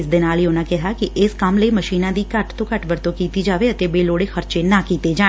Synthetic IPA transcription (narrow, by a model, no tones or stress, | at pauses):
ɪsd̪ɪnaːleoːnãːkɛɦaːkɪʔɪskəmləiːməʃiːnãːd̪iːkəʈt̪õːkəʈʋəɾt̪õːkiːt̪iːd͡ʒaːʋeət̪eːbeːloːɽeːxʰəɾt͡ʃeːnaːkiːt̪eːd͡ʒaː